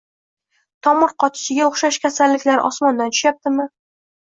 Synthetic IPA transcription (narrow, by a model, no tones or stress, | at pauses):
t̪ʰɒmʊɾqʰɒt̪ʰɪ̥ʃɪɡʲaoχʃaʃkʲasalːɪkʲlaɾɪʔɒsmɒnd̪ant̪ʰʊ̥ʃjap̚t̪ɪmɪ